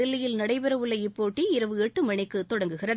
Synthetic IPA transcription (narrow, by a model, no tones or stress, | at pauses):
ɪlːɐjɪlnɐɽɐɪpɪɾɐʋɯɭːɐɪpːoːʈːiɪɾɐʋɯɛʈːɯmɐɳɪkːɯt̪ːɔɽɐŋɡɯɣɪrɐð